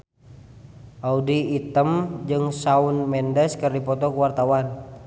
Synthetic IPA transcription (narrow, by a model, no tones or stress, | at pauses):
ʔaudiːt̪əmd͡ʒɨŋsaunmɛndɛskərdipɔt̪ɔkuwart̪awan